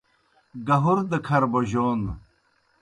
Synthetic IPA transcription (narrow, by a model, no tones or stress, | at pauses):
ɡɐɦuɾd̪əkʰɐɾboʑoːn